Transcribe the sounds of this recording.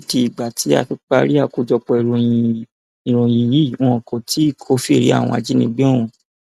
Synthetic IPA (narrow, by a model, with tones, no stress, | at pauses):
ti˧i˨ɡ͡ba˨tʰi˨˦a̰˧˨tu˦k͡pa˦ɾi˦a˦˨ku˧˦d͡ʒɔ˧k͡pɔ˧i˨ɾõ˨ĩ˧ | i˨ɾõ˨jĩ˧ji˦˨w̃ɔ̃˦ɔ̃˨kʰo˨tʰi˨˦˨kʰo˦fi˦˨ɾḭ˨˦a̰˦˨w̃ɔ̃˧a̰˨d͡ʒi˦nĩ˧˦ɡ͡be˦ɔ˦˨w̃ɔ̃˧